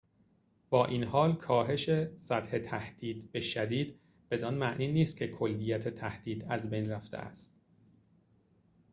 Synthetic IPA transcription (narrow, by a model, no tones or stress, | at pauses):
b̥ɒːʔiːnhɒːlkʰɒːɦe̞ʃe̞sæt̪he̞t̪ʰæhd̪̥iːd̪be̞ʃæd̪iːd̪ | b̥e̞d̪ɒːnmæʔniːniːst̪̚cʰekʰo̞lːijæt̪ʰet̪ʰæhd̪̥iːd̪æzbejnræft̪ʰḛæ̰st̪